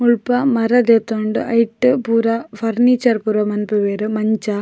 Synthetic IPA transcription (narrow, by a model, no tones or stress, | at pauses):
muɭpɐmɐɾɐd̪et̪ːoːɳɖɨʔɐjʈːɨpuɾɐfɐɾnit͡ʃɐɾpuɾɐmɐnpɯʋeːɾɯmɐɲt͡ʃɐ